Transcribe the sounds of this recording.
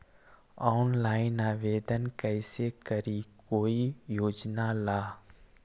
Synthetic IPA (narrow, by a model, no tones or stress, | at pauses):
ɔːnlaːɪnaːʋeːd̪ənkəɪsekəɾikoːijoːd͡ʒnalaː